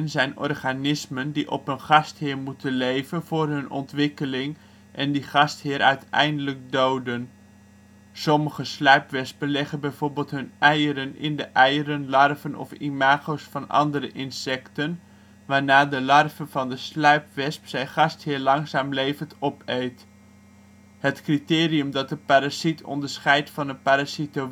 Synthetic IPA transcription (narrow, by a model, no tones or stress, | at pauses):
nzɛjnɔ̰rχaːnɪsməndiʔɔ̰pənχɑsthɪːɹmutənlejvənv̥ʊːrɦɵnʔɔ̰ntʋɪkəlɪŋ | ʔɛndiχɑsthɪːɾʔœ̰ɥtɛ̰jndələk̚dowdən | sɔməχəslœɥpʋɛspənlɛχənbɛjv̥oːɹbɪːlˠtɦɵnʔɛjəɾənɪ̰ndəʔɛjəɾənlɑrvənɔ̰fḭmaːχowsfɑnɑ̰ndəɾəʔɪnsɛktən | ʋaːɹnaːdəlɑrvənvɑndəslœɥpʋɛspsɛjχɑsthɪːɹlɑŋsaːmlejvəntɔpejt | hətkritɪːriəmdɑt̚dəpaːɾasitʰɔ̰ndəɹsχɛjtfɑnəpaɾasito